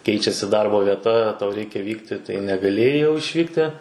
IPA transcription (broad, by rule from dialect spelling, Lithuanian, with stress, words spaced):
ˈkʲɛɪt͡ʃʲɛsʲɪ ˈdɐrboː ʋʲiɛˈtɐ tɐʊ ˈrʲɛɪkʲɛ ˈʋʲiːktʲɪ tɐɪ nʲɛɡɐˈlʲeːjɛɪ jɛʊ ɪʃʲˈʋʲiːktʲɪ